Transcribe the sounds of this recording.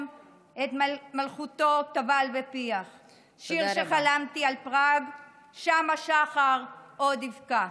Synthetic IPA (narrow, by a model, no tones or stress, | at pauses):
m | et̪malχut̪o̞tavalvepiaχ | ʃiʁʃeχalamtialpʁaɡ | ʃamaʃaχaʁodivka